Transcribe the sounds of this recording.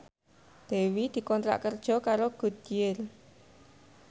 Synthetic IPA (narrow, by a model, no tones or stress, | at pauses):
d̪̥e̤wid̪̥i̤kɔnt̪ɾa̰ʔkərd̥ʒ̥ɔ̤kaɾoɡ̥ṳd̪̥ijer